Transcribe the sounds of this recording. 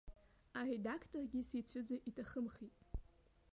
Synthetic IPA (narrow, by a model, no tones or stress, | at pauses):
aredakʰtʰʼorɡʲisejt͡sʷʰʏd͡zaʔitʰaχəmχitʼ